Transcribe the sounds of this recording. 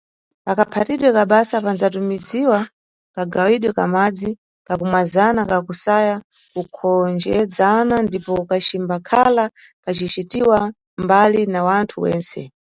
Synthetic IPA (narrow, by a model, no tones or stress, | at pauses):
pakapʰatiɗwɛkaɓasapanzatumiziwa | kaɡawiɗwɛka̰mad͡zi | kakumwazanakakusaja | kukʰɔnd͡ʒɛd͡zanandipɔkat͡ʃimbakʰalakat͡ʃit͡ʃitiwa | mbalinawantʰuwɛ̰ːnt͡sɛ̰